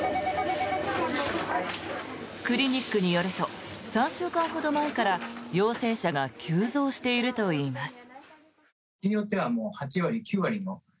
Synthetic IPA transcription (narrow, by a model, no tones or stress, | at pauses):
kɯ̟ɾʲiɲ̟ikːɯ̟ɲ̟ijo̞ɾɯ̟t̪o̞sãɰ̃ɕɨːkãɰ̃ɦo̞d̪o̞mae̞kaɾajo̞ːse̞ːɕaɡakʲʰɨːzo̞ːɕi̥t̪e̞iɾɯ̟t̪o̞iːmasɨ̥ | ijot̪ːe̞βamo̞ːhat͡ɕiβaɾʲikʲɨːβaɾʲimo